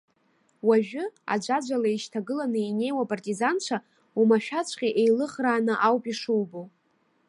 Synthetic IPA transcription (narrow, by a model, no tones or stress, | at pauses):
waʒᶣʊa̰d͡ʒʷad͡ʒʷalaiʃtʰaɡɨlanɨine̞jwapʼartʼizant͡ʃʷʰa | umaʃᶣat͡ɕʷʰqʲʼiʔejlɨχraːnɨʔawpʼiʂuwbow